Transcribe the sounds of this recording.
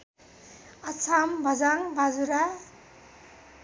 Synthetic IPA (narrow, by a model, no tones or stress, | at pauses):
asʰambazaŋbazuɾa